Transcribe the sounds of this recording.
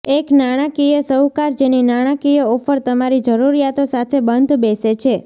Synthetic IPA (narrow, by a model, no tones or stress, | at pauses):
eknaɽ̃akijəsəwkaɾd͡ʒeninaɽ̃akijəofəɾt̪əmaɾid͡ʒəɾuɾijat̪osat̪ʰebənd̪ʱbeset͡ʃʰe